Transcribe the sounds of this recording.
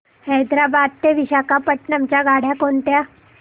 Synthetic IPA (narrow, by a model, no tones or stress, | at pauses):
hɛjd̪ɾabaːd̪̚t̪eʋiɕakapəʈnamt͡ɕaɡaːɽ̤jakoːnʈ̪ja